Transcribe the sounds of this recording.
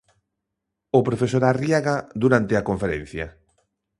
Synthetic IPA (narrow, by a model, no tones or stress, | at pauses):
opɾofesoɾariaɣad̪uɾant̪ɪakoɱfeɾen̟θja